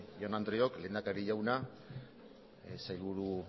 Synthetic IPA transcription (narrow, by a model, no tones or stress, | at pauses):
jonand̪ɾiokle̞ːnd̪akaɾiʝawna | sajlβuɾu